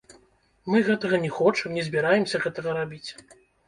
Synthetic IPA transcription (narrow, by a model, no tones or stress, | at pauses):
mɨɣɛt̪ɐɣɐnʲɛxɔt͡ʂɐmnʲɛzʲbʲiɾajɛmsʲɐɣɛt̪ɐɣɐɾabʲit͡sʲ